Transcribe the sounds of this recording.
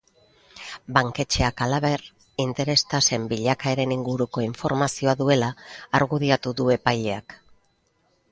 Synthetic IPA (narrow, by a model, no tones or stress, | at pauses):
baŋke̞t͡ʃe̞akalaβe̞r | int̪e̞ɾe̞st̪ase̞mbiʎakae̞ɾe̞niŋɡuɾuko̞iɱfo̞ɾmasio̞aðue̞laːɾɣuðiat̪uðue̞pajʎe̞ak